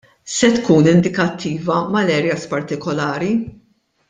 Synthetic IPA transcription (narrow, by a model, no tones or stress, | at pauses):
sɛt̪kuːnɪnd̪ɪkɐt̪ʰːiːvɐmɐlɛːɾjɐspɐɾt̪ɪkɔlɐːɾi